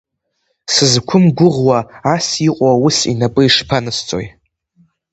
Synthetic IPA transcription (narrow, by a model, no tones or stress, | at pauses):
sɨzkʷʰʊmɡʷʊʁwaːsiqʷʼawʊsḭnapʼɨiʂpʰanɨst͡sʼo̰j